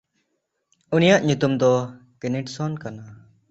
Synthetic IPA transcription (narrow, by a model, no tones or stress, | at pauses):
unijaʔɲut̪umd̪ɔ | kɛniʈsɔnkana